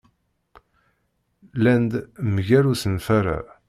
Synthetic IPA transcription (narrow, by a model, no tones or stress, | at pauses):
lænd̪məʝæɾusənfæɾa̰